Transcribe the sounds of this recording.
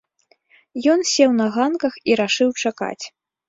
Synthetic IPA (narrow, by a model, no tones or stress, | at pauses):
jɔnsʲɛwnɐɣankɐxiɾaʂɨwt͡ʂaka̰t͡sʲ